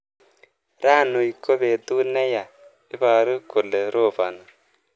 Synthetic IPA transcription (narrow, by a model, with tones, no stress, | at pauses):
ɾa˦˨nu˨i˨ko˦βe˨d̪u˦nɛ˦ja˨ | ɪ˦βa˨ɾu˦kʊ˨le˨ɾo˦˨fa˨na˨